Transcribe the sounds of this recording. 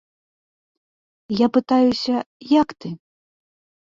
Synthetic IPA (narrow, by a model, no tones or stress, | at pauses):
japɨt̪ajusʲɐ | jakt̪ɨ